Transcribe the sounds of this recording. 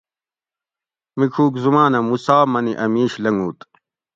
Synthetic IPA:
mikʰuːkzumaːnɐmusaːmɐniʔɐmiːɕlɐŋuːt̪

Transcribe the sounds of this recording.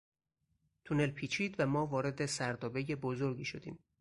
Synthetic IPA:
t̪ʰune̞lpʰiːt͡ʃʰiːd̪væmɒːvɒːɾe̞d̪e̞sæɾd̪ɒːbe̞je̞bozoɾɡiːʃod̪ḭːm

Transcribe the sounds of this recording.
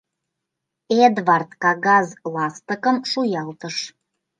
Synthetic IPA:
ed̪βɑrt̪kɑɣɑzlɑst̪əkə̆mʃujɑlt̪əʃ

